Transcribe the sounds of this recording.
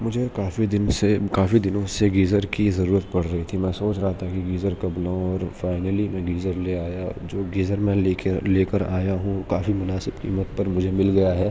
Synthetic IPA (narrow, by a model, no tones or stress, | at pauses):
mʊd͡ʒʱekaːfid̪ɪnsekaːfid̪ɪnõseɡiːzəɾkizɐɾuːɾət̪̚pɐɽ̤ɾɐɦit̪ʰimɛ̃soːt͡ʃɾɐɦat̪ʰakiɡiːzəɾkɐbnaõɔːɾfaːɪnəlimɛ̃ːɡiːzəɾleaːjad͡ʒoːɡiːzəɾmɛ̃eːkeleːkəɾa̰ːjaɦũkaːfimʊnaːsɪbkḭːmət̪pɐɾmʊd͡ʒʱemɪlɡɐjaɦɛː